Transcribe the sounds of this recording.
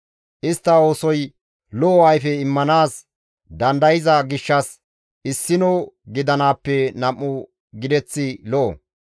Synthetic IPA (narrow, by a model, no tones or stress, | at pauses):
ʔɪst̪ːɐo̞ːsɔj | lɔɐjfɛɪmːɐnaːs | d̪ɐnd̪ɐjɪzɐɡɪʃːɐs | ʔɪsːɪnoɡɪd̪ɐnaːpːɛnɐmːʊ | ɡɪd̪ɛt͡sːɪlɔʔo̰